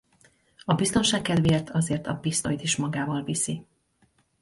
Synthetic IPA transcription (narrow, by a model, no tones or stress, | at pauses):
ɒbist̪o̞nʃaːkːɛd̪veːrt̪ʰɒzeːrt̪ɒpist̪o̞jit̪iʃmɒɡaːvɒlvisi